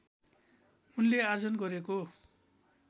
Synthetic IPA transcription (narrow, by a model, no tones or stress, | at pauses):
unleard͡zʌnɡʌɾeko